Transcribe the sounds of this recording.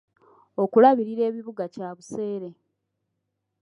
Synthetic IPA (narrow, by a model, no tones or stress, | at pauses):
o̞kulaβiɾiɾe̞ːβiβuɡacaːβuse̞ːɾe̞